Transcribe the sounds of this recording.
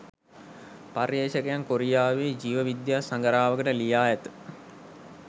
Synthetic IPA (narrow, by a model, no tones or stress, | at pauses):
parjeːʃəkəjaŋkoɾijaːʋeːd͡ʒiːʋəʋid̪jaːsaŋɡəɾaːʋəkəʈəlijaːjɛt̪ə̥